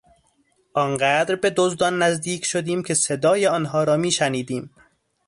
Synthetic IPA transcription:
ʔɒːnɢæːd̪ɾbe̞d̪ozd̪ɒnːæzd̪iːcʰʃod̪iːmcʰe̞se̞d̪ɒːjeɒːnɦɒːɾɒːmiːʃæniːd̪iːm

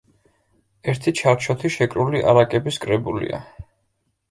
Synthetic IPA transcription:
ɛɾt̪ʰit͡ʃʰaɾt͡ʃʰɔt̪ʰiʃɛkʼɾuliʔa̰ɾakʼɛbiskʼɾɛbulḭa̰

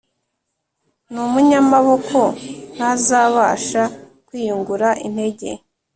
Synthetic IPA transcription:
numuɲamaβo̞kʰo̞n̥hazaːβaːʃa | kwiːjuŋɡuɾaʔin̥he̞ɟe̞̰

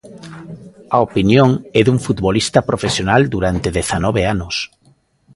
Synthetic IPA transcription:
ɐopinjoŋɛðuɱfut̪βolist̪ɐpɾofesjonald̪uɾant̪eðeθanɔβeanʊs

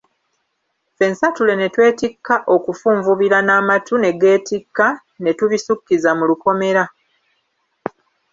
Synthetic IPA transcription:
fe̞nsatule̞ne̞twe̞ːtikːaʔo̞kufuːɱvuβiɾanaːmatune̞ɡe̞ːtikːa | ne̞tuβisukːizamuluko̞me̞ɾa

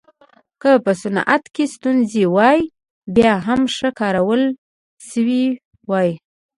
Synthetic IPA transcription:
kəpəsʊna̰t̪kest̪unzewɑj | bjɑɦamʂəkɑɾawəl | ʃəwi | wɑj

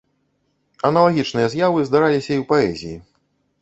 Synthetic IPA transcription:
ɐnɐlˠaɣʲit͡ʂnɨjɐzʲjavɨzd̪aɾalʲisʲɐiwpaɛ̰zʲiji

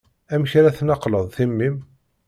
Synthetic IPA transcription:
æmçɾæθnɑqləðˤθimːim

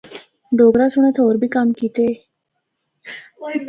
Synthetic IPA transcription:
ɖoːɡɾasʊɽ̃ẽt̪ʰoːɾbʱikamkiːt̪eː

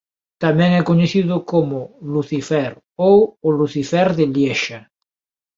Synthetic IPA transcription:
t̪amɛ̃ŋɛkoɲeθiðʊkomoluθifɛɾ | owːluθifɛɾðeljɛʃa

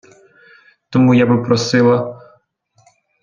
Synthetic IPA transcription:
t̪ɔmujabɪpɾɔsɪlˠɐ

